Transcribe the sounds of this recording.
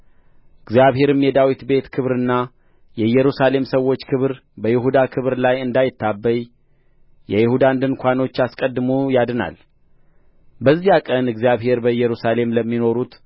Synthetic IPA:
ɨɡzijaβhe̞ɾɨmjɛd̪awit̪be̞t̪kʰɨβɾɨnːa | jɛjːɛɾusale̞msəwːo̞t͡ʃːkʰɨβɾ | bəjɪɦud̪akʰɨβɾlajɨnd̪ajɪt̪ːabːəj | jɛjɪhud̪and̪ɨnkʷʰano̞t͡ʃːaskʼəd̪ːɨmujad̪ɨna̰l | bəzːijakʼənɨɡzijaβhe̞ɾbəjɛɾusale̞mləmːino̞ɾut̪

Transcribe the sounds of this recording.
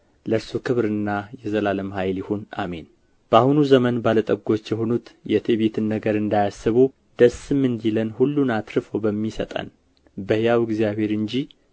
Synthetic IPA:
ləɾsukʰɨβɾɨnːajɛzəlaləmhajljɪhonʔa̰me̞n | b̥əahunuzəmənbalət̪ʼəɡo̞t͡ʃːjɛɦo̞nut̪jɛt̪ʰeβet̪ʰɨnːəɡəɾɨnd̪ajasːɨβu | d̪̥əsɨmːɨnd̪ilənhulːunat̪ɾɨfobəmːisə̰t̪ʼə̰n | bəhjawɪɡzijaβhe̞ɾɨɲd͡ʒi

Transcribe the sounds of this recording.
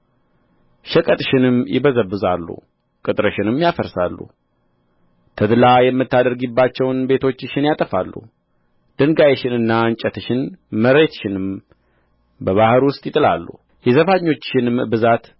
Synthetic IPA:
ʃəkʼət̪ʼʃɪnɨmjɪ̰bəzəbɨzalːṵ | kʼɨt̪ʼɾəʃɪnɨmjafəɾsa̰lːṵ | t̪ʰəd̪lajɛmːɨt̪ːad̪əɾɡibːat͡ʃːɛwnbe̞t̪ʰo̞t͡ʃːɪʃɪnjat̪ʼəfalːṵ | d̪̥ɨŋɡajeʃɪnɨnːant͡ʃʼət̪ɨʃɪnməɾe̞t̪ʃɪnɨm | bəβahɨɾwʊst̪ʼjɪt̪ʼɨla̰lːṵ | jɛzəfaɲːo̞t͡ʃːʃɪnɨmbɨzat̪

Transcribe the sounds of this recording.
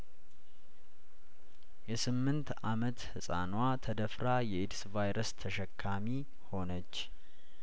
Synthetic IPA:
jɛsɨmːɨnt̪amət̪hɨsʼa̰nwat̪ʰəd̪əfɾajɛʔɪd̪svajɾəst̪ʰəʃɛkʰːami | ho̞nət͡ʃː

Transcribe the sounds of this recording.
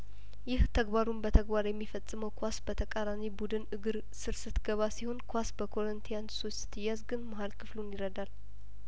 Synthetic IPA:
jɪht̪ʰəɡbaɾunbət̪ʰəɡbaɾjɛmːifəsʼːɨməwkʰʷasbət̪ʰəkʼaɾanibud̪ɨnɨɡɨɾ | sɨɾsɨt̪ɡəβasiho̞nkʰʷasbəkʰo̞ɾənt̪ʰijansost̪t̪ʰːɨjazɡɨnmaɦalkʰɨflunjɪɾəd̪al

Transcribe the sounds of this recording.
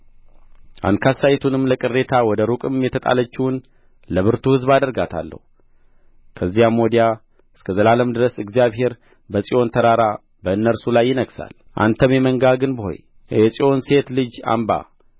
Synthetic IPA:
ʔa̰nkʰasajɪt̪ʰunɨmːləkʼɨrːe̞t̪ʰawɔd̪əɾukʼɨmjɛt̪ʰət̪ʼa̰lət͡ʃːiwn | ləβɨɾt̪ʰuhɨzbad̪əɾɡat̪ʰa̰lːə̰hu | kʰəzːijamo̞d̪ija | ɨskʰəzəlaləmd̪ɨɾəsɨɡzijaβɦe̞ɾ | bəsʼiʔo̞nt̪ʰəɾaɾa | bəɨnːəɾsulajːɪnəɡsa̰l | ʔa̰nt̪ʰəmjɛməŋɡaɡɨnbəho̞̰j | jɛsʼio̞nse̞t̪lɨd͡ʒa̰mba̰

